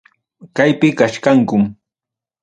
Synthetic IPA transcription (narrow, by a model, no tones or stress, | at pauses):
kajpɪkaʃkaŋkʊm